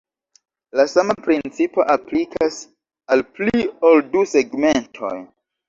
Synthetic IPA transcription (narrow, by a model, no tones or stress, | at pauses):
lasamapɾint͡sipo̞̰ʔaplikʰas | alpliolduse̞ɡme̞ntʰo̞̰j